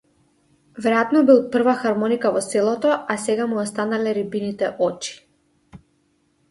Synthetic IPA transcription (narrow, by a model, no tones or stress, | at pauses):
vɛɾɛjat̪nɔbil̚ˠpr̩vaxaɾmɔnikavɔsɛlˠɔt̪ɔasɛɡamuɔst̪analɛɾibinit̪ɛʔɔt͡ʃi̥